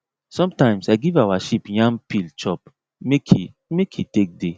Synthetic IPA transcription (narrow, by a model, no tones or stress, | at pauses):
sɔ̃mtãɪ̃msaɪɡivawaʃipjãnpilt͡ʃɔp | mekʰi | mekʰitek̚de